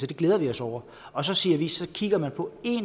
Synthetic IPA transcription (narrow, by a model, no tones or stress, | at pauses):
d̥e̝ɡ̥leːð̞ˠɐʋiɒ̽sɒʊ̰ɐ | ɒ̽sɒ̽siːɐʋisɒ̽kʰiɡ̥ɐmænpʰɒ̽e̝n